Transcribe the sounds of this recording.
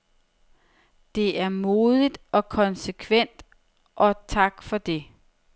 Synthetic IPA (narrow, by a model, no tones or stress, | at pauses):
d̥e̝æɐmoːðˠid̥ɒ̽kʰɒ̽nsekʰʋen̰d̥ | ʔɒ̽t͡sʰɑ̈ɡ̥fɒ̽d̥e̝